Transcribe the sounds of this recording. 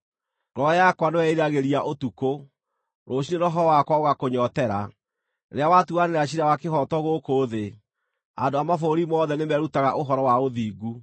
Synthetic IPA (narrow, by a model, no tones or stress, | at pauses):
ɾɔjakwanewɛiɾaɣeɾiaʔotuko | ɾoɕinenɔɦɔɾɔwakwaoɣakoɲɔtɛɾa̰ | ɾeawatuaneɾeaɕ̬iɾawakehɔtɔɣokoːðe | a̰ndoamafoɾimɔðɛnemɛɾutaɣaʔoɦɔɾɔwaoðiːɡu